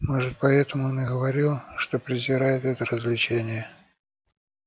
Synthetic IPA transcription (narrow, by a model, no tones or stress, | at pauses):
moʐɨt̪̚pɐɛt̪əmʊonɪɡəvɐɾʲilˠʂt̪o̞pɾʲɪzʲɪɾajɪt̪ɛt̪əɾəzʲlʲɪt͡ɕenʲɪjə